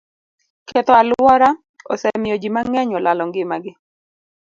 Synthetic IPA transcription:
kɛt̪ɔalwɔɾa | ɔsɛmɪjɔd͡ʒimaŋɛɲɔlʔalɔŋɡɪmaɡɪ

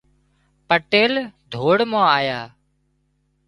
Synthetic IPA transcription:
pəʈeːld̪ʱoːɽmãːaːjaː

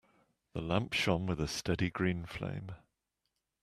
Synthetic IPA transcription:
ðəlãmpʃɒ̃nwɪðəstɛdiɡɹĩːnflḛ̃ɪ̃m

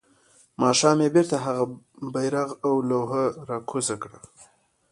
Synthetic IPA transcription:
mɑʃɑmebeɾt̪aɦaɣa | bajɾaɣawlawɦəɾɑkʰozakɽa

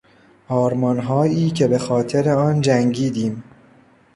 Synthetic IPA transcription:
ʔɒːɾmɒnɦɒːjiːcʰe̞be̞xɒːt̪ʰe̞ɾe̞ɒːnd͡ʒæŋɟiːd̪iːm

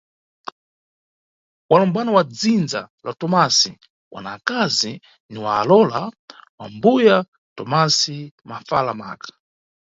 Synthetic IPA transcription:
walɔmbanawad͡zind͡za̰latɔmasi | wʔa̰naːkazi | niwa̰ːlɔlawambuja | tɔmasimafalama̰kḁ

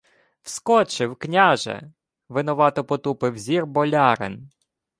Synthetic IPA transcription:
w̥skɔt͡ʃɪwknʲaʒɛ̰ | ʋɪnɔʋɑt̪ɔpɔt̪upɪwzʲirbɔlʲɑɾḛn

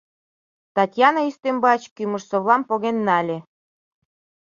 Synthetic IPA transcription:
t̪ɑtʲjɑnɑist̪embɑt͡ɕkymə̆ʃsoβlɑmpoɣenːɑlʲe

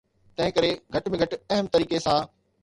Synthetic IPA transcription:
t̪ɐ̃ɦɪ̃kɐɾeɡʱɐʈmẽɡʱɐʈɐɦəmt̪ɐɾiːkesã

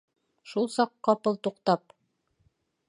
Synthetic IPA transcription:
ʃulˠsɑqːɑpɤlˠt̪uqt̪ɑp

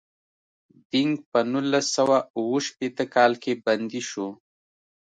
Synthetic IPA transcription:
d̪̥ɪŋɡ̚pənulːasːawauwəʃpet̪əkɑlkeband̪iʃo

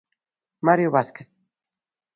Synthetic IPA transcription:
maɾjoβaθkeθ

